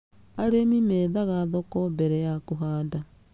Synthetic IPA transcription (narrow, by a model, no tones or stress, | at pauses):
aɾemimeðaɣaðokobɛɾɛjakoɦaːnda